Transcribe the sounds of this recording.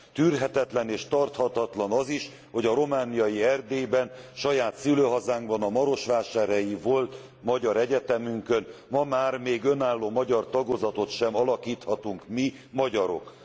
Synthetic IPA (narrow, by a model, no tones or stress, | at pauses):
t̪yːrɦɛt̪ɛt̪lɛneːʃt̪ɒrt̪hɒt̪ɒt̪lɒnɒziʃ | ho̞ɟɒɾo̞maːnijɒjiɛrd̪eːbɛnʃɒjaːt̪syløːɦɒzaːŋɡbɒnɒmɒɾo̞ʃʋaːʃaːɾɛjivolt̪ | mɒɟɒɾɛɟɛt̪ɛmyŋkø̞nmɒmaːrmeːɡø̞naːlːoːmɒɟɒrt̪ɒɡozɒt̪o̞t̪ʃɛmɒlɒkiːt̪hɒt̪uŋkmi | mɒɟɒɾo̞̰k